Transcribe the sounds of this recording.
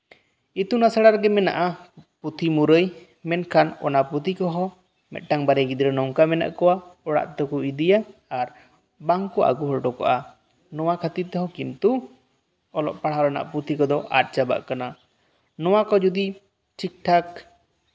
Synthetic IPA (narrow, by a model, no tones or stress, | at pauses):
it̪unasaɽaɾɡɛmɛna̰ʔaput̪ʰimuɾəj | mɛnkʰanɔ̰napɾut̪ʰikɔɦɔ̃ | mɛ̰t̪̚ʈaŋbaɾɛɡid̪iɾɔnɔŋkamɛna̰ʔkɔwaɔɽa̰ʔt̪ɔkuid̪ijaːɾ | baŋkɔʔa̰ɡuɦɔlɖɔkɔ̰ʔa | nɔwakʰət̪it̪ɛɦɔkint̪u | ɔlɔ̰ʔpaɽ̤aɾɔna̰ʔpɾut̪ʰikɔd̪ɔʔa̰t̪̚t͡ʃaba̰ʔkana | nɔwakɔd͡ʒud̪i | t͡ʃʰik̚ʈʰak